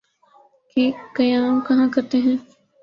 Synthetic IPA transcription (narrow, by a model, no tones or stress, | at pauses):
keːkɐjaːmkɐɦãkɐɾt̪eɦɛ̃ː